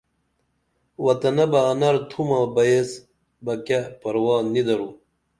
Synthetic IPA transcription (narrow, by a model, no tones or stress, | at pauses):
wɐt̪ɐnɐbɐɐnɐɾt̪ʰumabɐjes | bɐkapɐɾwɑːnːid̪ɐɾu